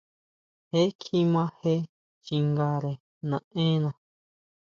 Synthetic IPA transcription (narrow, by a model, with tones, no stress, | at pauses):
he˦kʰi˦mã˦he˦ | t͡ʃi˧ŋɡa˧ɾe˨ | nã˨ʔẽ˦nã˧